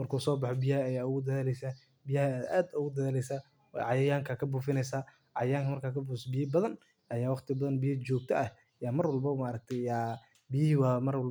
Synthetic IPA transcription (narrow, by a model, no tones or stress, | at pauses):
mɐrkʰuːsɔːbɑħɔbɪjɐhɐɐjaːʊɣʊd̪ɐðaːlɛjsaː | bɪjɐhɐaːd̪a̰ːd̪ʊɣʊd̪ɐðaːlɛjsaː | wɑ̰ʕɑjɐjaːŋkʰɐkʰɐbuːfɪnɛjsaː | ʕɑ̰jjaːŋkʰɐmɐrkʰaːkʰɐbusbɪjɐbɐðɐn | ʔɐjaːwɑχt̪ʰɪbɐðɐnbɪjɐt͡ʃɔːɡ̚t̪ʰɐʔɐh | jaːmɐrwɐlbɐmaɾɐk̚t̪ʰɛjja | bɪjɪɦiwɑmɐrwɐl